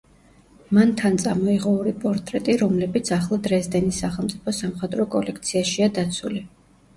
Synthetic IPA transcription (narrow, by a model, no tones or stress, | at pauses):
mant̪ʰant̪sʼamɔiʁɔuɾipʼɔɾt̪ʼɾɛt̪ʼiɾɔmlɛbit̪sʰaχlˠad̪ɾɛsd̪ɛnisaχɛlˠmt̪sʼipʰɔsamχɛd̪ɾɔkʼɔlɛkʰt̪sʰiaʃiad̪at̪sʰuli